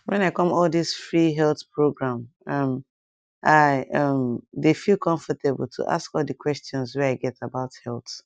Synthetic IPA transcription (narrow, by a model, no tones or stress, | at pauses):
wɛ̃naɪkɔ̃mɔldisfɹiɦɛlˠθpɹoɡɹãm | ʌm | ʔaɪʌmdefilˠkʰɔ̃ɱfətʰebl̩ˠtʰṵʔa̰skɔlˠdəkʰwɛstɔ̃nswɛaɪɡɛtʰabaʊthɛlˠθ